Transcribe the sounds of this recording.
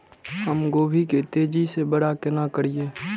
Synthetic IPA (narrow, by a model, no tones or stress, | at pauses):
ɦəmɡoːbʱiket̪eːd͡ʒisebəɽakɪnakəɽieː